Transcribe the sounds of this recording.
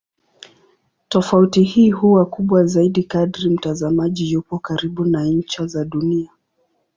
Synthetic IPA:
tɔfautihiːhuwakuɓwazaiɗikadɾim̩tazamaʄijupɔkaɾiɓunaɲ̩t͡ʃazaɗunia

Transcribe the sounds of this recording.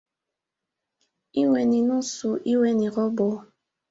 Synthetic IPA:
iwʷɛninũsuʔiwɛnĩɾɔbo

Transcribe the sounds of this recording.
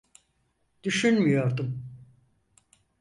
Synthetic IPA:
d̪̥yʃynmijo̞ɾd̪um

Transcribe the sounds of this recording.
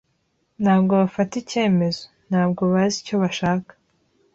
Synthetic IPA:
n̥haːbɡo̞βafatice̞ːme̞zo̞n̥haːbɡo̞βazico̞βaʃaːkḁ

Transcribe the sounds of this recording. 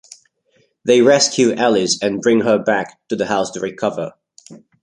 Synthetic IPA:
ðeɪɹɛskʰjʉʔælˠɪzɨ̃nbɹɪ̃ŋə˞bæktɨðəhaʊstʰəɹɪkʰʌvə̰˞

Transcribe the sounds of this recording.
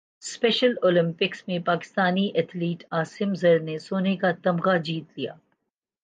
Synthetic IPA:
spɛːʃəloːlɪ̃mpɪksmẽpaːkɪ̥st̪aːniʔɐt̪ʰliːʈaːsɪmzɐɾnesoːnekat̪ɐmɣad͡ʒiːt̪lija̰ː

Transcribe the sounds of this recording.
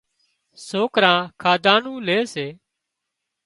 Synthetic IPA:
soːkɾãːkʰaːd̪ãːnũːleːseː

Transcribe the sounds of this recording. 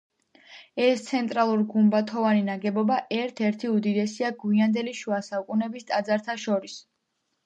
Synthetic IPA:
ɛst̪sʰɛnt̪ʼɾalˠuɾɡumbat̪ʰɔvaninaɡɛbɔbaʔɛɾt̪ʰɛɾt̪ʰiud̪id̪ɛsiaɡwiand̪ɛliʃuasaukʼunɛbist̪ʼad̪zaɾt̪ʰaʃɔɾis

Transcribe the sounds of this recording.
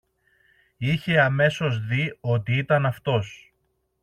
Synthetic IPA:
içe̞ɐme̞so̞zðio̞t̪iit̪ɐnɐft̪o̞s

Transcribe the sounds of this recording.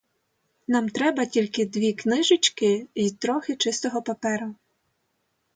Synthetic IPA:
nɑmt̪ɾɛbɐtʲilʲkɪd̪ʋʲiknɪʒɪt͡ʃkɪit̪ɾɔxɪt͡ʃɪst̪ɔɦɔpɐpɛɾʊ

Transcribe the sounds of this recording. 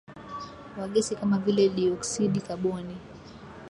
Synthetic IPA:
waɠɛsikamavilɛliɔksiɗikaɓɔni

